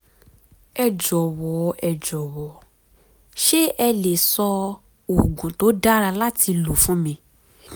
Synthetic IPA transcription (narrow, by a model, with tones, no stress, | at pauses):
ɛ˨d͡ʒɔ˨wɔ˨˦ɛ˨d͡ʒɔ˨wɔ˨˦ | ʃe˦ʔɛ˧le˨sɔ˧ | o˨ɡũ˨to˨˦da˦ɾa˧la˦ti˧lo˨fũ˦mĩ˧